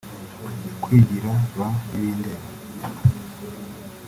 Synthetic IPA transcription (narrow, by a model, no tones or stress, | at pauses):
kwiːɟiɾaβajindeβa